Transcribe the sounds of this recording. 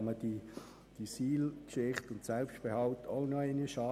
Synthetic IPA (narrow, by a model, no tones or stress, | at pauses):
məd̥i | d̥isiːlkʃɪχtʊntsɛlpsʃtb̥ehɑʊtoʊnɔɛɪnəʃɑː